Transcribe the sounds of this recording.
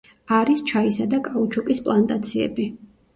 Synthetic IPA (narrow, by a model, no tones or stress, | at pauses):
aɾist͡ʃʰaisad̪akʼaut͡ʃʰɔkʼispʼlˠant̪ʼat̪sʰiɛ̰bi